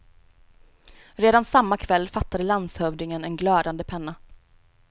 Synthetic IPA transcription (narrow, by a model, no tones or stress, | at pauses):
ɾeːd̪ansamːakʰvɛlːfat̪ːad̪əlanshœvd̪ɪŋənɛnɡlœːd̪and̪əpʰɛnːa